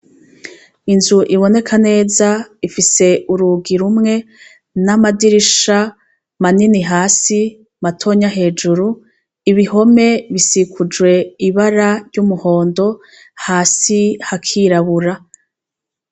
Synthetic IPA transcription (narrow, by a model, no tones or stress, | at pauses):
inzuʔiβo̞ne̞kʰane̞ːzaifise̞uɾuɡiɾumŋe̞ | namadiɾiʃa | maniniɦaːsi | matʰo̞ɲaɦe̞ːd͡ʒuɾu | iβiɦo̞me̞βisikʰud͡ʒwe̞iβaɾaɾɟumuho̞ːndo̞ | haːsihakʰiɾaβuɾa